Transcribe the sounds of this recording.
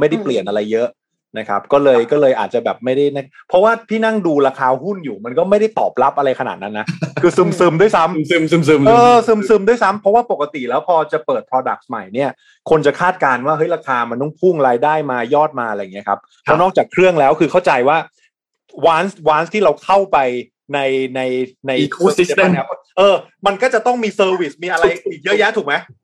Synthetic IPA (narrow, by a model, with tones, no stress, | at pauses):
ma˥˩jda˥˩pli˨˩ənʔa˧ɾa˧jːɤ˦˥ʔ | na˦˥kʰa̰˦˥p̚kɔː˥˩lɤː˧jkɔː˥˩lɤː˧jʔaː˨˩t̪̚t͡ɕa˨˩bɛː˨˩p̚ma˥˩jda˥˩jna˥˩pʰɔ˦˥waː˥˩t̪ʰiː˥˩na˥˩ŋduː˧ɾaː˧kʰaː˧hu˥˩njuː˨˩ma˧nkɔː˥˩ma˥˩jda˥˩jt̪ɔ̰ː˨˩p̚la˦˥p̚ʔa˧ɾa˧jkʰa˧na̰˨˩t̪̚na˦˥nːa˦˥kʰɯː˧sɯ˧˩msɯː˧mdu˥˩əjsa˦˥mɯ˧ɯ˧mɯ˧mɤː˧sɯ˧msɯ˧mdu˥˩əjsa˦˥mpʰɾɔ˦˥waː˥˩po˨˩kːa˧t̪i˨˩lɛː˦˥wpʰɔː˧t͡ɕa˨˩pɤː˨˩t̪̚pʰɾɔː˧da˨˩k̚sma˨˩jni˥˩ɐ | kʰo˧nt͡ɕa˨˩kʰaː˥˩t̪̚kaː˧nwaː˥˩ɦɤ˦˥jɾa˧kʰaː˧ma˧nt̪ɔ˥˩ŋpʰu˥˩ŋɾaː˧jdaː˥˩jmaː˧jɔː˥˩t̪̚maː˧ʔa˧ɾa˧jːŋi˦˥ɐkʰa˦˥p̚ | pʰːɔ˦˥nɔː˥˩k̚t͡ɕaː˨˩kʰɾɯ˥˩əŋlɛː˦˥wkʰɯː˧kʰa˥˩wt͡ɕa˧jwaː˥˩ | waː˦˥nswaː˦˥nst̪ʰiː˥˩ɾa˧wkʰa˥˩wpa˧j | na˧jna˧jna˧jʰuː˥˩˦a˧ni˦˥˩ | ʔɤː˧ma˧nkɔː˥˩t͡ɕa˨˩t̪ɔ˥˩ŋmiː˧sɤː˧wi˨˩smiː˧ʔa˧ɾa˧ji˨˩k̚jɤ˦˥jɛ˦˥t̪ʰuː˨˩k̚ma˦˥j